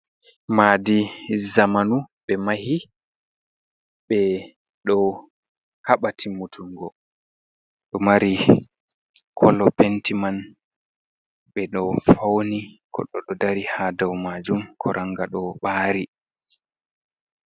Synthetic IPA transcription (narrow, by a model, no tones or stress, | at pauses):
madizamanuɓɛmahi | ɓɛ | ɗɔ | haɓatʰimutʰuŋɡɔ | ɗɔmaɾi | kʰɔlɔpɛntiman | ɓɛɗɔfawnikʰɔ̰ɗɔɗɔdaɾihadawmad͡ʒumkʰɔɾʔaŋɡaɗɔɓaːɾi